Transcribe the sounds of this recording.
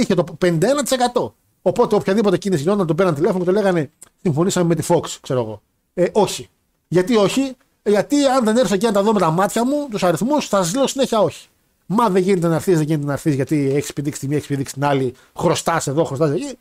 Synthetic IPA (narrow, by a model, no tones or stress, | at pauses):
içet̪openind̪ɐenɐt̪isekɐt̪o̞ | opo̞t̪eopçɐðipo̞t̪e̞cinisizʝinot̪ɐnt̪ope̞ɾɐnt̪ile̞foocet̪leɣɐne̞ | siɱfo̞nisɐmeme̞t̪ifo̞kskse̞ɾoeɣo̞̰ | eʔo̞çi | ʝɐt̪io̞çi | ʝɐt̪iɐnðe̞neɾθocenɐt̪ɐðomet̪ɐmɐt̪çɐmut̪usɐɾiθmusθɐsɐzleosine̞çiɐo̞çi̥ | mɐðeɲʝinet̪e̞nɐɾθizðeʝinet̪enɐɾθizʝɐt̪iekispiðiksi̥t̪imieksi̥piðiksi̥t̪inɐli | xɾo̞st̪ɐse̞ðo̞xɾost̪ɐsɐci